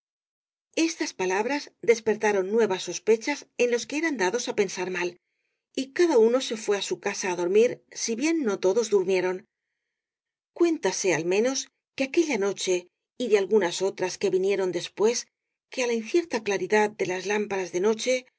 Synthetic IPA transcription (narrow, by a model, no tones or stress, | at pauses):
e̞st̪aspalaβɾazd̪e̞spe̞ɾt̪aɾo̞nːwe̞βasːo̞spe̞t͡ʃase̞nlo̞ske̞eɾand̪aðo̞sape̞nsaɾmal | ikaðauno̞se̞fwe̞asukasaːðo̞ɾmiɾsiβje̞nːo̞t̪o̞ðo̞zðuɾmje̞ɾo̞n | kwe̞nt̪ase̞almẽ̞no̞s | keake̞ʎano̞t͡ʃe̞ | iðealɣunaso̞t̪ɾaske̞βinje̞ɾo̞nd̪e̞spwe̞s | ke̞alainθje̞ɾt̪aklaɾiðaðd̪e̞lazlampaɾazðe̞no̞t͡ʃe̞